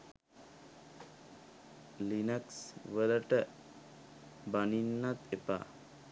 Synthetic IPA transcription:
linəksʋələʈə | baninːat̪epa̰

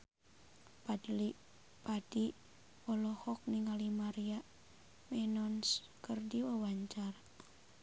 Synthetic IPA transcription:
pali | padi | ɔlɔhɔk̚niŋalimaɾiaʔ | mɛnɔnskərdiwəwaɲt͡ʃar

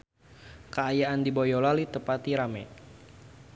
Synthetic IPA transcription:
kəajaʔandibojɔlalit̪əpat̪iɾamɛ

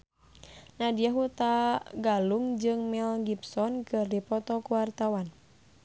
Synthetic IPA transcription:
nadiaɦut̪aɡaluŋd͡ʒɨŋmɛlɡipsɔnkɨrdipɔt̪ɔkuwart̪awan

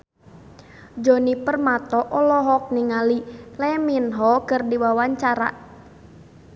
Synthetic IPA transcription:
d͡ʒonipərmat̪ɔʔɔlɔɦɔk̚niŋalilɛminɦɔkərdiwawaɲt͡ʃaɾa̰ʔ

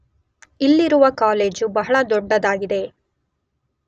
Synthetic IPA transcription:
ilːiɾuʋɐkaːle̞ːd͡ʒubɐɦɐɭɐd̪ɔɖːɐd̪aːɡid̪e̞

